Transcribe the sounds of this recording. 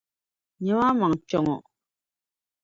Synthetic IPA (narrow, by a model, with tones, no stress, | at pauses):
ɲə˦wa˦ma˨ŋt͡ʃɔ˨ŋɔ˨